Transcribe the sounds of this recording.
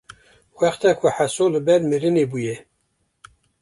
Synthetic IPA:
wæχt̪ʰɛkʰuħasolɨbɛɾmɨɾɨnebujɛ

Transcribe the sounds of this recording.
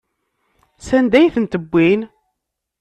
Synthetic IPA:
sænd̪æjθənt̪əbʷːin

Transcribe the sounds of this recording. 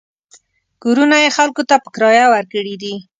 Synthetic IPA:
ɡ̥oɾunajexalkot̪apə̥kɾɑjawaɾkəɽid̪i

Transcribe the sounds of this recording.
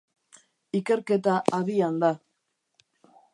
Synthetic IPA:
ike̞ɾke̞t̪aʔaðiand̪a

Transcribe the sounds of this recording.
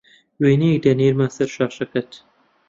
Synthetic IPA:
weːnik̚d̪ɐniːɾmaːsɐɾʃɑːʃɐkɐt̪

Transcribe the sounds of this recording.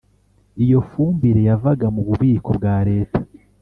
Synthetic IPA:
ijo̞fuːmbiɾe̞javaɡamuβuβiːko̞bɡaːɾe̞ːtḁ

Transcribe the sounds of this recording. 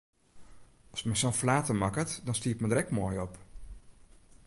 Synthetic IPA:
ɔsmɛsonflaːtəmɑkətdɔnstiəpmədəɾɛkmoːjɔp

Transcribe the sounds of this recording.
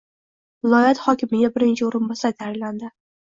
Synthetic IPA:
vɪlˠɒjat̪χɒkʲʰɪmɪɡʲabɪɾɪnt͡ʃʰɪoɾɪnbɒsat̪ʰaɪlland̪ɪ

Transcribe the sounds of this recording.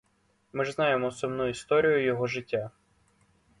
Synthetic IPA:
mɪʒznɑjemɔsʊmnuist̪ɔɾʲijʊjɔɦɔʒɪtʲːa

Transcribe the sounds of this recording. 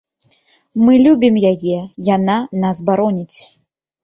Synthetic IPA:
mɨlʲubʲimjajɛjananasbaɾɔnʲit͡sʲ

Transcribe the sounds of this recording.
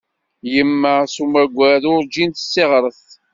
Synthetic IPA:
jəmːəsumæɡʷːæðʊɾd͡ʒint̪sːeʁɾˤəθ

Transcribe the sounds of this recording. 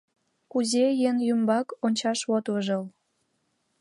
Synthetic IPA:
kuzejenjymbɑkonʲt͡ɕɑʃβot̪ləʒəl

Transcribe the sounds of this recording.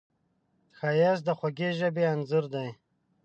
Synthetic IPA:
xajas̬d̪əχwaɡeʒabeanzuɾd̪aj

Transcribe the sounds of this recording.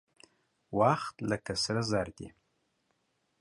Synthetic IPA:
waxt̪lakasaɾazaɾd̪ḭ

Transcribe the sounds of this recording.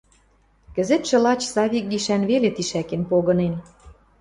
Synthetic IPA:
kə̆zet̪ʃɤ̆lɑt͡ɕsɑβʲik̚ɡiʃænβelet̪iʃækenpoɣɤ̆nen

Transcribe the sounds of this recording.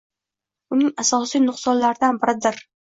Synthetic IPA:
ʊnɪŋasɒsijnʊqsɒnlaɾɪd̪anbɪɾɪd̪ɪɾ

